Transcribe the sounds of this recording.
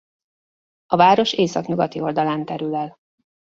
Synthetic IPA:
ɒvaːɾo̞ʃeːsɒkɲuɡɒt̪io̞ld̪ɒlaːnt̪ɛɾylɛl

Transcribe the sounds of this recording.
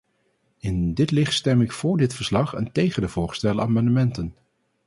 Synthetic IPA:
ɪndɪtlɪχtstɛmɪkfʊːɹdɪtfəɹslɑχəntejχəndəvʊːɹstɛləaːmɑndəmɛntən

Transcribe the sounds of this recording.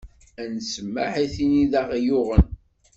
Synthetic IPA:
ænsəmːa̰ħiθiniðaʁjʊʁən

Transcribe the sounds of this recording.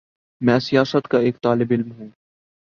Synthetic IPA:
mɛ̃ːsijaːsət̪kaeːk̚t̪aːlɪbɪlmɦũː

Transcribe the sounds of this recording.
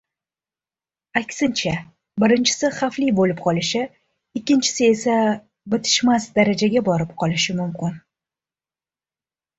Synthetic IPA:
akʲsɪnt͡ʃʰa | bɪɾɪnt͡ʃʰɪ̥sɪχaflibolɪpqʰɒlɪʃɪ | ɪkʲːɪnt͡ʃʰɪ̥sɪe̞sa | bɪt̪ʰɪ̥ʃmasd̪aɾad͡ʒaɡʲabɒɾɪpqʰɒlˠɪʃɪmʊmkʲɪn

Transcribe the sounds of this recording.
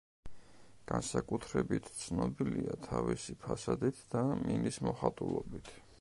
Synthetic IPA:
ɡ̥ansakʼut̪ʰɾɛbit̪ʰt̪sʰnɔbiliat̪ʰavisipʰasad̪it̪ʰd̪̥aminismɔχat̪ʼulˠɔbit̪ʰ

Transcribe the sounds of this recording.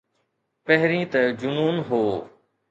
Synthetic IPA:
pəɦɾĩːt̪əd͡ʒʊnuːnɦoː

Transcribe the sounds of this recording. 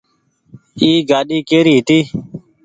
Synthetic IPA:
iːɡaːɗiːkeːɾiːɦɪt̪iː

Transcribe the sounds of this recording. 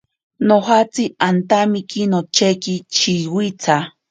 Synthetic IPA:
noɦat͡siant̪amikinot͡ʃekit͡ʃʰiwit͡sʰa

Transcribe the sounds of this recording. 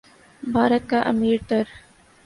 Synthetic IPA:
bʱaːɾət̪̚kaʔɐ̰miːɾʈ̪əɾ

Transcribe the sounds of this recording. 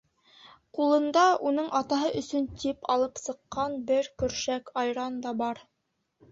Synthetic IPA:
qulˠɤ̆nd̪ɑʔunɤɴɑt̪ɑɦɤʔɵ̆sɵnt̪ipʰɑlˠɤpsɤ̆qːɑnbɘɾkɵ̆ɾʃækɑjɾɑnd̪ɑbɑɾ

